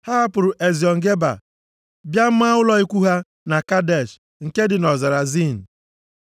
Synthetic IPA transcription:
ha˦a˦pʊ˨ɾʊ˨ʔe˨zi˨ɔ˨ŋ̩˨ɡe˦ba̰˨ | bja˦m̩˦m˦a˦ʊ˦lɔ˨i˦kʷu˦ɦa˦ | na˨ka˦de˨ʃ | ŋ̩˨ke˦dɪ˨nɔ˨za˨ɾa˨zi˦˨n̩˨

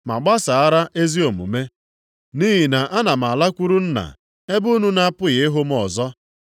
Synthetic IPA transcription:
ma̰˨ɡ͡ba˦sa˨a˦ɾa˦ʔe˦zi˦o˨mṵ˨me˦ | ni˦ɦi˨na˨ʔa˦na˨m̩˨a˨la˦kʷu˦ɾu˦n̩˦na̰˨ | e˦bu˦nu˦na˦pʊ˦ɣɪ˨ɪ˦ɦʊ˦m˦ɔ˨zɔ˦

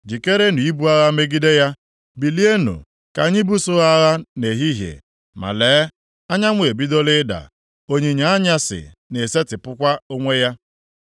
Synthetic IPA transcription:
d͡ʒi˨ke˦ɾe˦nu˨i˦bu˦a˦ɣa˦me˦ɡi˦de˦ja˦ | bi˨li˦e˦nṵ˨ | ka˨ɲɪ˦bu˦sʊ˦ɣa˦ɣa˦ne˨ɦi˦ɦjḛ˨ | ma̰˨leː˨˦ | a˦ɲa˦ŋʷ˦˨e˨bi˦do˦lɪ˦da̰˨ | o˦ɲi˨ɲa˨a˦ɲa˦sɪ̰˨ | ne˨se˦tɪ˨pʊ˦kʷa˦o˦ŋʷe˦ja˦

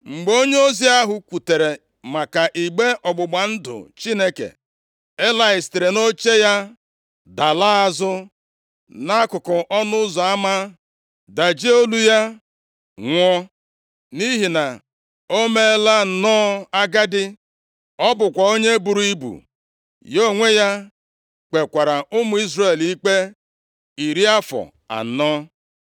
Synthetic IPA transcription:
ŋ͡m̩˨ɡ͡bo˦ɲe˦o˦zi˦a˦ɦʊ˨kʷu˨te˨ɾe˨ | ma˨ka˨ʔi˨ɡ͡be˦ʔɔ˨ɡ͡bʊ˨ɡ͡ba˨n̩˦dʊ̰˨t͡ʃi˦ne˦kḛ˨ | e˦la˦ɪ˨ste˨ɾe˨no˦t͡ʃe˦ja˦ | da˨laː˦a˦zʊ˦ | na˦kʊ˨kɔ˨ʔɔ˦nʊ˦ʊ˦zɔ˨a˦ma˦ | da˨d͡ʒe˦o˦lu˦ja˦ | ŋʷɔ˦ | ni˦ɦi˨na˨ | o˦me˦la˦n̩˨nɔː˦a˦ɡa˦dɪ˦ | ɔ˦bʊ˨kʷa˨o˦ɲe˦bu˨ɾu˦i˦bṵ˨ | jo˦˨ŋʷe˦ja˦ | k͡pe˨kʷa˨ɾa˨ʔʊ˦mʊ˨˦i˦zre˦˨li˦k͡pe˦ | i˨ɾi˦a˦fɔ̰˨ | a̰˨˦nɔ˦

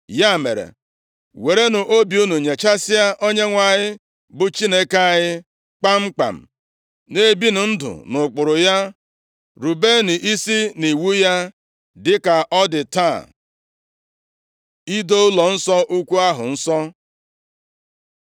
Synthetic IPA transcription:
ja˦˨mḛ˨ɾḛ˨ | we˨ɾe˦nʊ˨ʔo˦bju˦nu˨ɲe˨t͡ʃa˦sɪ˦a˦ʔo˦ɲe˦ŋʷa˨ɲɪ˦ | bʊ˨t͡ʃi˦ne˦ke˦a˨ɲɪ˦ | k͡pa˦ŋ͡m̩˦k͡pa̰˨m̩˨ | ne˦bi˦nʊ˨n̩˦dʊ̰˨nʊ˨k͡pʊ˨ɾʊ˨ja˦ | ɾu˨be˦nʊ˨ʔi˦si˦ni˨wu˦ja˦ | dɪ˦ka˨ʔɔ˦dɪ˨ta˦˨ | i˦do˦ʊ˦lɔ˨n̩˦sɔ˦ʔu˦kʷu˦a˦ɦʊ̰˨n̩˦sɔ˦

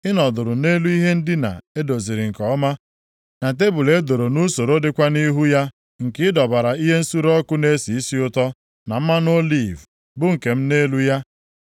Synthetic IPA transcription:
ɪ˦nɔ˨dʊ˨ɾʊ˨ne˦lu˦i˦ɦe˦n̩˦dɪ˦na̰˨e˦do˨zi˨ɾɪ˨ŋ̩˨kɔ˨˦ma˦ | na˨t̬e˦bu˨le˨e˦do˨ɾo˨nu˦so˨ɾo˦dɪ˦kʷa˦ni˦ɦu˦ja˦ | ŋ̩˨kɪ˦ɪ˦dɔ˨ba˨ɾa˨i˦ɦe˦n̩˦su˦ɾɔ˦kʊ˦ne˦si˨i˦si˦ʊ˦tɔ˦ | na˨m̩˦ma˦no˦li˦˨v | bʊ˦ŋ̩˨ke˨m̩˦ne˦lu˦ja˦

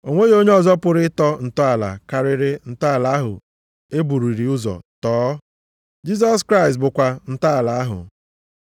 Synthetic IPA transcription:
o˨ŋʷe˦jo˦ɲe˦ɔ˨zɔ˦pʊ˨ɾɪ˦tɔ˦n̩˨tɔ˦a˨la̰˨ka˨ɾɪ˨ɾɪ˦n̩˨ta˦a˨la˨˦a˦ɦʊ̰˨ | e˦bu˨ɾi˨ɾi˨ʊ˦zɔ̰˨tɔː˨˦ | d͡ʒi˦s̬ɔ˦skɾa˦ɪ˨stbʊ˨kʷa˨n̩˦ta˦a˨la˨a˦ɦʊ̰˨

